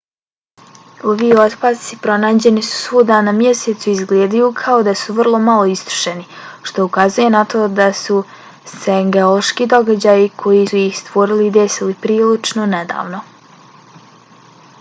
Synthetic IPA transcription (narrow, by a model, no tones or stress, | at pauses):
oʋio̞t̪paːt̪sipɾo̞naːd͡ʑe̞nisu̥suːd̪anamje̞seːt̪suizɡleːd̪ajukʰao̞d̪asuʋrlˠo̞malˠo̞ist̪ɾu̥ʃe̞niʃt̪o̞ukazuje̞nat̪ʰo̞ːd̪asu | seŋɡeoloʃkid̪o̞ɡad͡ʑaːjikʰo̞jisujixst̪ʋo̞ɾilid̪esilipɾiːlit͡ʃnone̞d̪a̰ːʋno̞